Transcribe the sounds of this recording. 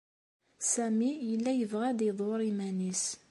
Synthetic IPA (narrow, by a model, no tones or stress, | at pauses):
sæmijəlːæjəvʁæd̪iðˤoɾˤimænis